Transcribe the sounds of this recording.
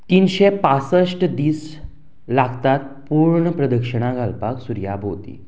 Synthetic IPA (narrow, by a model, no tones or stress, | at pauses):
t̪iːnɕepasəʂʈəd̪iːs | laɡt̪at̪̚puɾɳəpɾəd̪əkʂəɳ̃aɡʱalpaksuɾjabʱot̪ḭː